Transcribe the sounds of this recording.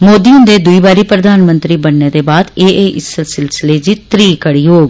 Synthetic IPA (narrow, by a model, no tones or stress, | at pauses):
moːd̪iːʊ̃nd̪eːd̪ʊiːbaːɾiːpɾəd̪ʱaːnmə̃nt̪ɾiːbəɳneːd̪eːbaːd̪eːeːʔɪsːɪlsɪlsɪleːd͡ʒiːt̪ɾiːkəɽiːɦoːɡ